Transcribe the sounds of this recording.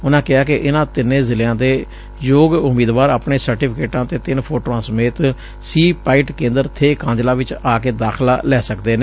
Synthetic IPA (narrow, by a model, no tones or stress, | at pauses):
ʊnãːkɪaːkɪʔɪnãːt̪ɪnẽːzɪljãːt̪eː | joːɡʊmiːd̪ʋaːɾaːpɳeːsəɾʈiːpʰɪkeːʈãːt̪eːt̪ɪnpʰoːʈoːãːsəmeːt̪ | siːpaːɪʈkẽːnd̪əɾt̪ʰeːkãːd͡ʒlaːʋɪt͡ʃaːkeːd̪aːkʰlaːlɛːsəkd̪eːneː